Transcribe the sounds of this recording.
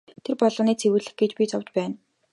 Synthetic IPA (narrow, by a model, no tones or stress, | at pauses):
t̪ʰerpɔɮɞ̆ːniːt͡sʰewɘ̆ɮɘ̆xɡet͡ɕpʲit͡sʰɔwt͡ɕ̪pæːn